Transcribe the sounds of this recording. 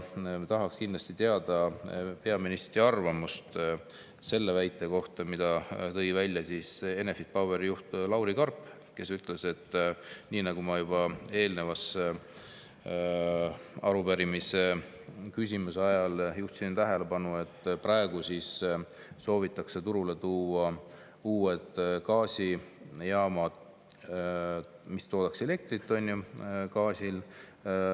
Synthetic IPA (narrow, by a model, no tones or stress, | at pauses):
t̪ɑɦɑkskind̪lɑsʲt̪it̪eɑd̪̥ɑpe̞ɑminist̪ɾiɑrvɑmust̪ | se̞lːe̞væjt̪ːˑe̞ko̞ht̪ɑmid̪̥ɑt̪ɤ̞jvælʲːjɑsise̞ne̞fit̪̚pɑwbe̞ɾijuht̪lɑwɾikɑrpːˑ | ke̞syt̪ˑle̞se̞t̪ːniːnɑɡ̥umɑjub̥ɑe̞ːlne̞vɑs | ɑɾubæɾimise̞ | kysʲimuseɑjɑljuht̪sint̪æɦe̞le̞bɑnue̞t̪ːˑprɑe̞ɡ̥usisso̞ːvit̪ːˑɑkse̞t̪uɾule̞t̪uːwɑ | uːed̪kɑːsʲi | jɑːmɑd̥̪ | mist̪o̞ːd̪̥ɑkse̞le̞k̚t̪ɾit̪ːˑo̞nʲːjukɑːsʲil